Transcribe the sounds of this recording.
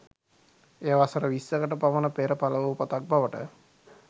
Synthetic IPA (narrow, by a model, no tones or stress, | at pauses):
eːʋasəɾəʋisːəkəʈəpaʋənəpeːɾəpaləʋuupat̪ak̚baʋəʈə̰